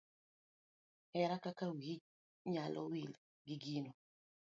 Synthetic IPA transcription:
ɛɾakakawid͡ʒ | ɲalʔɔ̰wil | ɡiɡino

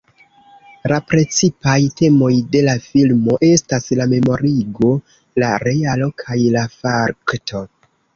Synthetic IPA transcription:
lapɾe̞t͡sipajte̞mo̞jde̞lafilmo̞ʔe̞staslame̞mo̞ɾiɡo̞ | laɾe̞alo̞kʰajlafaɾktʰo̞

